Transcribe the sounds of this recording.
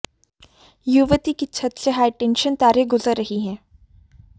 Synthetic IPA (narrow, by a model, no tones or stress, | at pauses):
juʋət̪ikit͡ʃʰɐt̪səɦaːiʈɛ̃nʃənt̪aːɾeɡʊzəɾːɐɦiɦɛ̃ː